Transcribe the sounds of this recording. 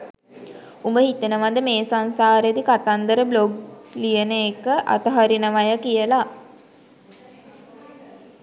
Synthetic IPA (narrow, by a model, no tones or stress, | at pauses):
umbəhit̪ənəʋad̪əmeːsansaːɾjed̪ikat̪and̪əɾəbloɡ̚lijənəekəʔa̰t̪əɦaɾinəʋajəkijəla